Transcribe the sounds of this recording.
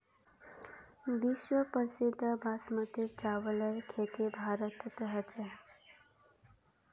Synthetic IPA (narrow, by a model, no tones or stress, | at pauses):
biʃwəpəsid̪ʱːəbasmət̪it͡ʃawələjkʰet̪ibʱaɾət̪t̪əɦət͡ʃʰe